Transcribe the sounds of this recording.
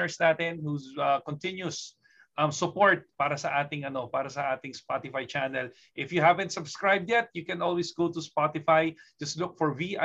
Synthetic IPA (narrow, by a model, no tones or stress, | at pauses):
ɛɹsnaːt̪ɪnhusɐkɔnt̪ɪ̃njʊs | ʔɐmsʊpoɹt̪̚paːɾɐsɐʔaːt̪ɪŋɐno̞paːɾɐsɐʔaːt̪ɪŋspat̪ɪfajt͡ʃanɛl | ʔɪfjʊhævɛ̃nt̪sɐbskɹajb̚d̪ɪt̪̚jʊkɛ̃nʔɔlwisɡot̪ʊspat̪ɪfajd͡ʒɐst̪lʊk̚fɔɹviʔa